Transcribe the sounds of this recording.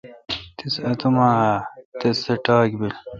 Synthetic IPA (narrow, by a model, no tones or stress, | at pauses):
t̪isɐt̪umaːt̪ɐsɐʈaːkbil